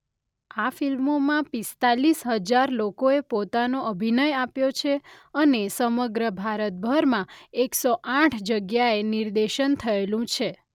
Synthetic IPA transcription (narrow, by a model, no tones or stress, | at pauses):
afilmomãpist̪alisɦəd͡ʒaɾlokoepot̪anoʔəbʱinəjapjot͡ʃʰeənesəməɡɾəbʱaɾət̪̚bʱəɾmãeksoʔãʈʰd͡ʒəɡjaeniɾd̪eʃənt̪ʰəelũt͡ʃʰe